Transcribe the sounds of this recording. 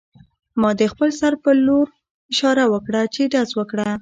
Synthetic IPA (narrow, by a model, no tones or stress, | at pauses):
mɑd̪əxpəlsaɾpəloɾ | ɪʃɑɾawəkɽat͡ʃeɖazwəkɽa